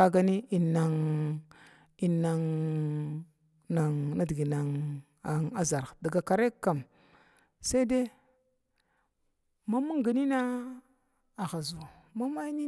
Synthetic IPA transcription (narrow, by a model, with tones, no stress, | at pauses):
a˦ɡa˦ni˦i˨nːa˨ŋ | i˨na˨ŋ | na˨ŋna˦di˨ɡi˨na˨ŋ | a˨ŋa˦za˨ɾda˨ɡa˨ka˨ɾe˦kːa˨m | sa˦de˦ | ma˦mu˦ŋɡa˨ni˦na˦ | a˨ɣa˨zu˨ | ma˦ma˦ni˦